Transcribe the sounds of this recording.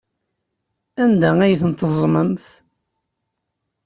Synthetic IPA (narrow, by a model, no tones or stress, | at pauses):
ænd̪ææjθənt̪əzˤmənθ